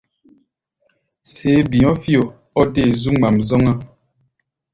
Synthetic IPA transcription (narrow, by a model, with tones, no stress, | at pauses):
se˨˦bi˨ɔ˦fjo˨ | ɔ˦de˦˨zu˦ŋ͡ma˨mzɔ˦ŋa˦